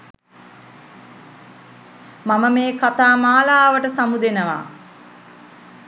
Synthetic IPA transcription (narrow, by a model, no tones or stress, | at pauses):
maməmeːkat̪aːmaːlaːʋəʈəsamud̪enəʋa̰